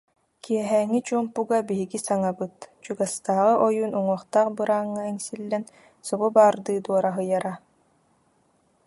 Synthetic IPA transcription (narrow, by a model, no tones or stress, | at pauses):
kiɛɦɛːŋːit͡ɕuɔmpuɡabiɦiɡisaŋabɯt̪t͡ɕuɡast̪aːʁɯʔɔjuːnuŋuɔχt̪aːχbɯɾaːŋːɯɛŋsilːɛn | sɔʁubaːɾd̪ɯːd̪uɔɾaɦɯjaɾa